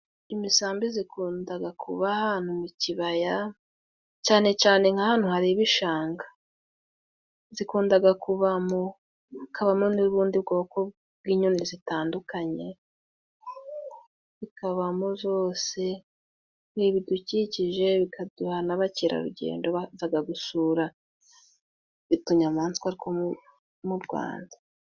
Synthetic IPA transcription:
imisaːmbizikʰuːndaɡakʰṵβahaːn̥huniciβaja | ct͡ʃaːne̞t͡ʃaːne̞ŋhahaːn̥huhaɾiβiʃaːŋɡḁ | zikuːndaɡakuβamo | akʰaβamoniβuːndibɡo̞ːko̞ | bɡiːɲunizitaːndukaɲe̞ | βikaβamozo̞ːse̞ | niβiduciciʒe̞βikʰaduhanaβaciɾa̰ɾṵɟḛːndoβazaɡaɡusuːɾa | βituɲamaːnt͡skaɾikʰo | muɾɡwa̰ːndḁ

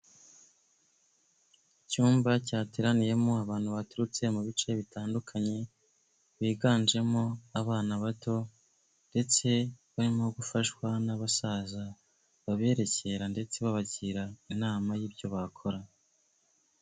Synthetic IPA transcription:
icuːmbacaːteɾanije̞mo̞aβaːn̥huβatuɾut͡se̞muβit͡ʃe̞βitaːndukʰaɲe̞ | βiːɡaːnd͡ʒe̞mo̞aβaːnaβato̞ | nde̞t͡se̞βaɾimahoɡufaʃwanaβasaza | βaβe̞ːɾe̞ce̞ɾande̞t͡se̞βaβaɟiɾainaːmajiːbjo̞βakʰo̞ɾa

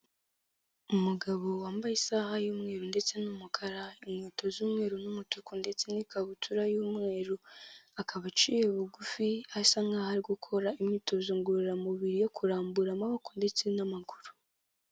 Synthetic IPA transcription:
umuɡaβo̞waːmbajisaːhajuːmŋe̞ːɾunde̞t͡se̞numukʰaɾaimɲiːto̞zuːmŋe̞ːɾunumutukunde̞t͡se̞nikaβutʰuɾajuːmŋe̞ːɾuakʰaβat͡ʃijeβuɡufihasaŋɡahaɾiɡukʰo̞ɾaimɲiːto̞zuːŋɡuɾiɾamuβiɾijo̞kʰuɾaːmbuɾamaβakunde̞t͡se̞namaɡuɾu̥

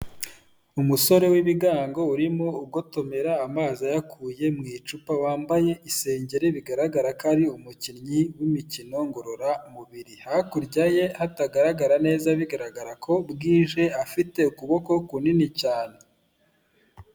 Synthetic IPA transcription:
umuso̞ɾe̞wiβiɡaːŋɡo̞uɾimo̞uɡo̞to̞me̞ɾaːmaːzajakʰuje̞mŋiːt͡ʃupawaːmbaje̞ʔise̞ːɲɟe̞ɾeβiɡaɾaɡaɾakaɾiumucinɲiwimicino̞ŋɡo̞ɾoɾamuβiɾihakuɾɟaje̞hataɡaɾaɡaɾane̞ːzaβiɡaɾaɡaɾakʰo̞bɡiːʒe̞afite̞ukuβo̞ko̞kuninicaːne̞

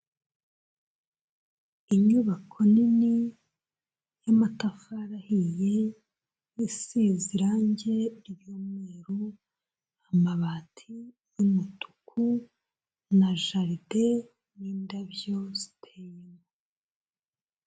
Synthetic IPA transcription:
iɲuβakʰo̞nini | jamatafaɾahije̞ | jisiziɾaɲɟe̞ɾiβjomŋeɾu | amaβatʰi | jumutu̥kʰu | naʒaɾide | niːndaβjo̞z̥i̥tʰejemo

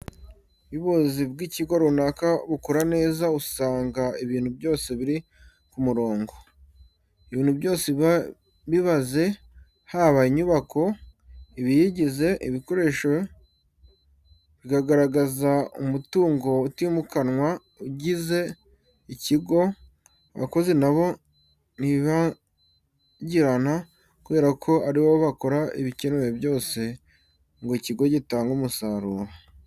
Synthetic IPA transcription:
βiβozib̚ɡiciɡoɾunakaβukuɾane̞ːzausaːŋɡaiβiːnhubjo̞ːse̞βiɾi | kumuɾo̞ːŋɡo̞ | iβiːnhubjo̞ːse | βiβaze̞ | haːβaiɲuβako̞iβijiɟize̞ʔiβiko̞ɾe̞ːʃo | βikaɡaɾaɡazaumutuːŋɡo̞utimukanŋwa | uɟize̞ | iciɡo̞ | βa̰ko̞ze̞naβo̞ | niβa | ɟiɾana | kuβe̞ːɾakʰo̞aɾiwo̞βako̞ɾaiβiceneɾebjo̞ːse̞ | ŋɡoiciɡo̞ɟitaːŋɡumusaɾuːɾa

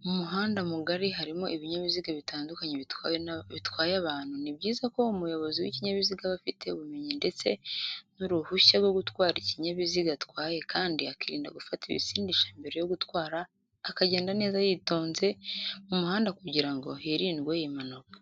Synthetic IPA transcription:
umuɦaːndamuɡaɾiɦaɾimo̞ʔiβiɲaβiziɡaβitaːndukaɲe | βitwaːjaβaːn̥hunibɟiːzako̞umujo̞βo̞ziwḭciɲaβiziɡaβafite̞βume̞ɲinde̞t͡se̞nuɾuhuʃaɾɡo̞ɡutwaːɾiciɲaβiziɡatwaːje̞kaːndiakiɾḭːnda̰ɡufatiβḭsiːndiʃambe̞ɾe̞jo̞ɡutwaːɾaː | kaɟe̞ːndane̞ːzajito̞ːnze̞mumuhaːndakuɟiɾaŋɡo̞̰heɾiːndɡwejimanokḁ

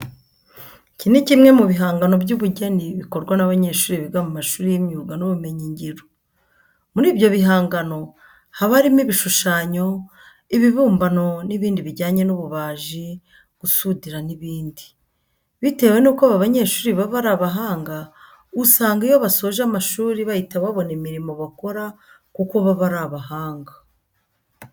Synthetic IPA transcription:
cinecimŋe̞muβiɦaːŋɡano̞bɟuβuɟeniβiko̞ɾɡwanaβaɲe̞ːɾʃuːɾiβiɡamumaʃuːɾijimɲuːɡanuβume̞ɲiɲɟiɾo | muɾiːbjo̞βiɦaːŋɡano̞ | haβaɾimiβiʃuʃaːɲo̞ | iβiβuːmbano̞niβiːndiβiɾɟaːɲe̞nuβuβaːʒi | ɡ̥usudiɾaniβiːndi̥ | βite̞we̞nuːkaβaβaɲe̞ːʃuːɾiβaβaɾaβaɦaːŋɡa | usaːŋɡijoβasoʒamaʃuːɾiβajitaβaβo̞nemiɾimo̞βako̞ɾa | kuko̞βaβaɾaβaɦaːŋɡa

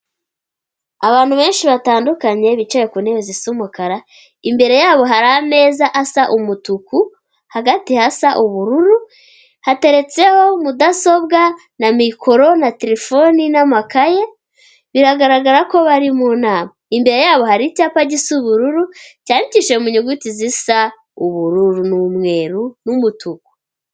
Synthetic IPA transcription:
aβaːn̥huβe̞ːnʃiβataːndukaɲe̞βit͡ʃejekuneβezisumukaɾa | imbe̞ɾe̞jaːβo̞ɦaɾame̞ːzaʔasaʔumutuku | haɡatihasaʔuβuɾuɾu | hate̞ɾe̞t͡se̞ho̞mudaso̞bɡa | namikʰo̞ɾo̞nateɾefo̞ninamakaje | βiɾaɡaɾaɡaɾako̞βaɾimonaːmaimbe̞ɾe̞jaːβo̞haɾicaːpaɟisuβuɾuɾucaːɲiciʃe̞muɲuɡutizisa | uβuɾuɾunumŋe̞ːɾunumutuku̥

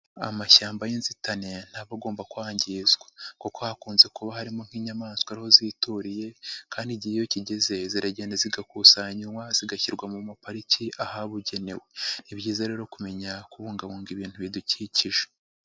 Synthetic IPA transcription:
a̰maʃaːmbajinzitanen̥haːβaɡo̞ːmbakwaːɲɟiːzɡwḁkoko̞hakuːnze̞kuβahaɾimo̞ŋ̥hiːɲamaːnskwaɾiho̞ziːtuɾije̞kaːndiɟihijociɟeze̞ziɾaɟe̞ːndaziɡakusaɲiwaziɡaçiɾɡwamumapaɾiciʔahaβuɟe̞ne̞we̞nibɟiːzaɾe̞ːɾo̞kume̞ɲakuβuːŋɡaβuːŋɡiβiːntuβiduciciʒe

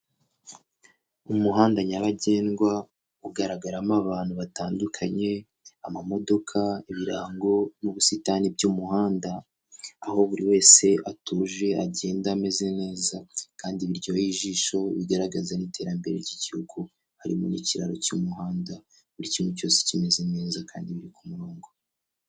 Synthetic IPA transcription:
umuɦaːndaɲaβaɟe̞ːnɡwa | uɡaɾaɡaɾamaβaːn̥huβataːndukʰaɲe̞ | amamo̞do̞kʰaiβiɾa̰ːŋɡo̞nuβusitanib̚ɟumuhaːndaː | ho̞βuɾiwe̞ːse̞ʔatuːʒe̞ʔaɟe̞ːndame̞zene̞ːzakaːndiβiɾɟo̞jiːʒiːʃo̞βiɡaɾaɡazanite̞ːɾambe̞ɾeɾɟiɟihuɡu | haɾḭmṵnḭciɾa̰ɾocumuhaːnda | βuɾicimuco̞ːse̥cime̞zene̞ːzaka̰ːndiβiɾikumuɾoːŋɡo

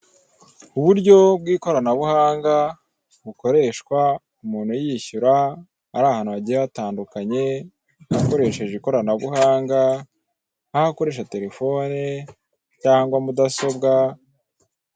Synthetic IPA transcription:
uβuɾɟo̞bɡiːko̞ɾanaβuhaːŋɡa | βuko̞ɾe̞ʃkwa | umuːnhujiçuɾaː | ɾaːhanhuaɟiɾeataːndukaɲe̞ | hako̞ɾe̞ʃe̞ʒiko̞ɾanaβuhaːŋɡa | ahako̞ɾe̞ːʃ̬ate̞ɾe̞fo̞ne | caːŋɡwamudaso̞b̚ɡa

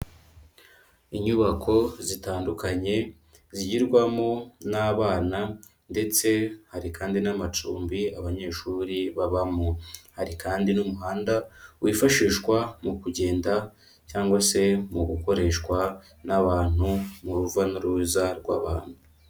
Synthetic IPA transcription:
iɲuβakʰo̞zitaːndukaɲe̞ | ziɟiɾɡwamonaβaːna | nde̞t͡se̞haɾikaːndinamat͡ʃuːmbiaβaɲe̞ːʃuːɾiβaβamohaɾikaːndinumuɦaːndawiːfaʃiːʃkwamukuɟe̞ːnda | caːŋɡwase̞muɡuko̞ɾe̞ːʃkwa | naβaːn̥umuɾuvanuɾuːzaɾɡwa̰βaːn̥hu

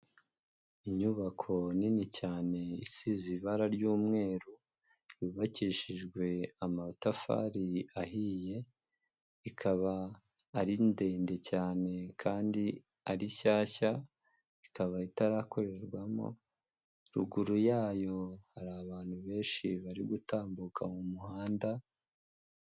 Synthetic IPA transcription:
iɲuβakʰo̞ninicaːne̞isiziβaɾaɾjuːmŋe̞ːɾu | juːβaciʃiʒɡwe̞amatafa̰ɾiaɦije̞ | ikʰaβaː | ɾinde̞ːnde̞caːne̞kʰaːndi | aɾiʃaːça | ikaβaitaɾakʰo̞ɾe̞ɾɡwamo̰ | ɾṵɡuɾujaːjo̞haɾaːβaːn̥huβe̞ːnʃiβaɾiɡutaːmbukamumuhaːnda

